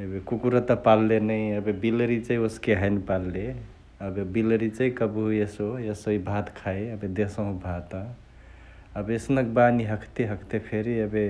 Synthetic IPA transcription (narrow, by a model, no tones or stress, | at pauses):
ebekukuɾət̪əpalːenəjəbebilɾit͡ʃəjoskeɦəjnpalːe | əbebilɾit͡ʃəjkəbuesoesoibʱat̪kʰaəbed̪esə̃ɦũbʱat̪ə̃ | əbesnək̚baniɦəkʰt̪eɦəkʰt̪epʰeɾiəbe